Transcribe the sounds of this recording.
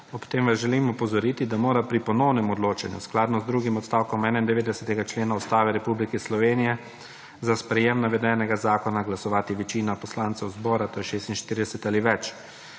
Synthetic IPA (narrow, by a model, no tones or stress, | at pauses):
ɔpt̪eːmʋazʒɛlimɔpɔzɔɾiːt̪id̪amoːɾapɾipɔnɔwnɛmɔd̪loːt͡ʃanjṵsklaːd̪nɔzd̪ɾuɡimɔt̪st̪aːwkɔmɛːnaind̪ɛʋeːd̪ɛsɛt̪ɛɡat͡ʃleːnaust̪aːʋɛɾɛpublikɛslɔʋeːnijɛ | zaspɾɛjemnaʋɛd̪ɛːnɛɡazaːkɔnaɡlasɔʋaːt̪iʋɛt͡ʃiːnapɔslaːnt̪sɛwzbɔːɾat̪oːjɛʃeːst̪inʃt̪iːɾid̪ɛsɛt̪aliʋɛt͡ʃ